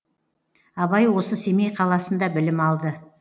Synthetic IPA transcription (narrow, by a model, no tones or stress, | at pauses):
ɑβɑjwo̞səse̞mejqʰɑlˠɑsənd̪ɑbɪlɪmɑlˠd̪ə